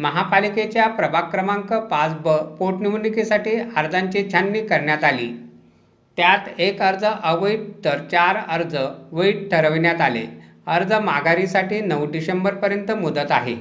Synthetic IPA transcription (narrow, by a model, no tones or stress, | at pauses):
məɦapaliket͡ɕjapɾəbʱakɾəmãŋkəpat͡sbpoʈniʋnikisaʈiːəɾd͡zaɲt͡ɕit͡ɕʰanːiːkəɾɳjat̪alḭː | t̪jat̪ekəɾd͡zəʔəʋəiʈ̚t̪əɾt͡ɕaɾəɾd͡zəʋəiʈ̚ʈʰəɾəʋɳjat̪alḛ | əɾd͡zəmaɡaɾisaʈiːnəʋɖiɕembəɾpəɾjənt̪əmud̪ət̪a̰ɦḛ